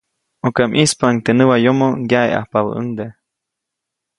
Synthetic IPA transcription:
okeʔmʔispaʔaŋt̪enɨwajomoɡjaḛʔa̰hpaβə̰ʔəŋd̪e

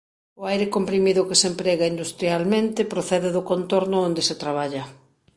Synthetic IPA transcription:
ʊajɾekompɾimiðʊkɪsempɾɛɣaind̪ust̪ɾjalmẽnt̪ɪpɾoθɛðeðʊkont̪oɾnʊond̪eset̪ɾaβ̞aʎɐ

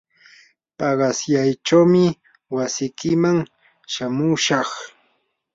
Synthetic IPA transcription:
pɑɢɑsjajt͡ʃawmɪ | wasɪkɪmaŋ | ʃamʊʃɑχ

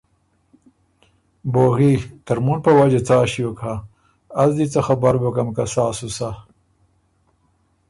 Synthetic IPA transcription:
boːɣit̪aɾmunpɐwad͡ʑet͡saːɕijokʰa | azd̪it͡saxabaɾbɐkamkasaːsusa

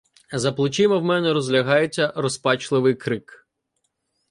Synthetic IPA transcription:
zɐplˠʊt͡ʃɪmɔwmɛnɛɾɔzʲlʲɐɦɑjet͡sʲːɐrɔspɑt͡ʃlˠɪʋɪjkɾɪk

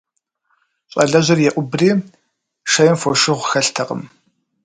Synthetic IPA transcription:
ɕʼɐ̰ɮɐʑɐrjɛʔʷʊbriː | ʂɐjɪmfoʃɪʁʷxɐɬtʰɐqʼə̰m

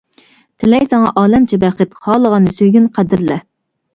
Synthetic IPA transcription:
t̪ʰɪlɛjsɑŋɑ̰ʔɑːlɛmt͡ʃʰɛbɛχɨt̪χʰɑːlˠəʁɑnɨsøjɡʲynqʰæd̪ɪɾlɛ

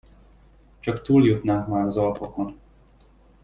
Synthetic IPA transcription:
t͡ʃɒkt̪uːljut̪naːŋkmaːɾɒzɒlpɒko̞n

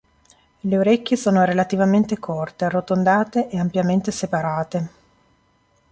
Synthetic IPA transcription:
leoɾekʲːjesoːnoɾelat̪ivament̪ekʰort̪erot̪ond̪aːt̪eʔeːampjament̪esepaɾaːt̪e

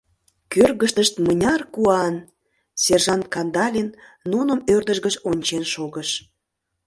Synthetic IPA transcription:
kørɣəʃt̪əʃt̪mənʲɑrkuɑn | serʒɑnt̪̚kɑnd̪ɑlʲinːunə̆mørd̪əʒɣəʃonʲt͡ɕenʃoɣəʃ

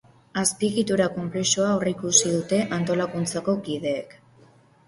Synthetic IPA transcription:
aspiɣit̪uɾako̞mple̞suaoraikusiðut̪e̞ʔant̪o̞lakunt͡sako̞kið̞e̞ːk

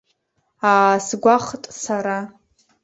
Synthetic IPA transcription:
aːsɡʷaχtʼsaɾa

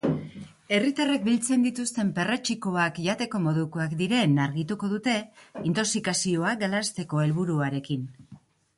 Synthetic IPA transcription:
e̞rit̪arek̚bilt͡se̞nd̪it̪ust̪e̞mpe̞ret͡ʃiko̞akʝat̪e̞ko̞mo̞ðukoakd̪iɾe̞naɾɣit̪uko̞ðut̪e̞int̪o̞ksikasio̞aɡalast̪e̞ko̞e̞lβuɾuaɾe̞kin

